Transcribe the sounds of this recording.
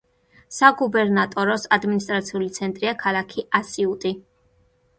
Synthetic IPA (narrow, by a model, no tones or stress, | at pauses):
saɡubɛɾnat̪ʼɔɾɔsad̪minist̪ʼɾat̪sʰiulit̪sʰɛnt̪ʼɾiakʰalˠakʰiʔasiut̪ʼi